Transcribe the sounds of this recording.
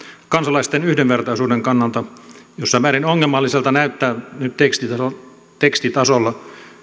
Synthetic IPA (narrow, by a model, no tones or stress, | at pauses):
kɑnsɑlɑist̪enyhdenʋert̪ɑisuːdeŋkɑnːɑlt̪ɑjosːɑmæːɾinoŋːelmɑlːiselt̪ɑnæyt̪ːæːnyt̪t̪ekst̪iɑ | t̪ekst̪it̪ɑsolːɑ